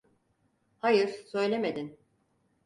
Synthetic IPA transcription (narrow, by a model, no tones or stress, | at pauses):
hajɯɾsø̞jlʲeme̞d̪in